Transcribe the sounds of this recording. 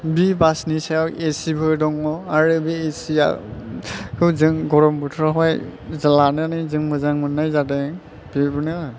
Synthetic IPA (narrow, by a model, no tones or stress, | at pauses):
bibasnisaɔwesibʱɔjdɔŋɔaɹubiesia̰ | kɯzɯŋɡɔɹɔmbutʰɔɦɔjzalanɯnɯzɯŋmɯzaŋmɯnːajzatɛ | b̥ibunɛɔ